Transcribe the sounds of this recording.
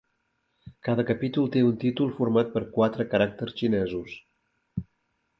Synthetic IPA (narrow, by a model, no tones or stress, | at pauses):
kaðəkəpit̪ulˠt̪eunt̪it̪ulˠfuɾmat̪̚pəɾkwat̪ɾəkəɾak̚t̪əɾsʃinɛzus